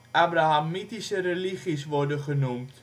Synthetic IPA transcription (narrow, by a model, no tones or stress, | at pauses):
ʔabraɦamitisəɾeliχisʋɔrdəχənumt